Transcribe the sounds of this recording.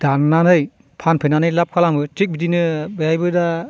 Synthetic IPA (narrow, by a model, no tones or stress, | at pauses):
d̥annːanɯj | pʰanpʰenanɯjlap̚kʰalambɯt͡ʃik̚bidinɯbɯjajbɯda